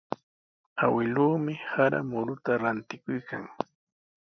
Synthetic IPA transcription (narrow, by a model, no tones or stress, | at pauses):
awɪluːmɪhaɾa̰mʊɾʊt̪aɾant̪ɪkʊjkʰa̰ŋ